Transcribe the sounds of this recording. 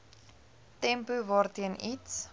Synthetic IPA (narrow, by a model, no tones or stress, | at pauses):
tɛmpuvɑːrtiənits